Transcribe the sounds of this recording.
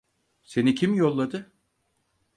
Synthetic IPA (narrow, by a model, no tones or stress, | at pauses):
se̞nicʰimjo̞lˠːad̪ɯ